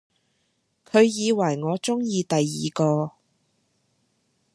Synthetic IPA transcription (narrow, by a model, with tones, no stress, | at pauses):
kʰɵ˨˧ɥjiː˨˧wɐ˨˩jŋɔː˨˧t͡sʊ˥ŋjiː˧t̪ɐ˨jːiː˨kɔː˧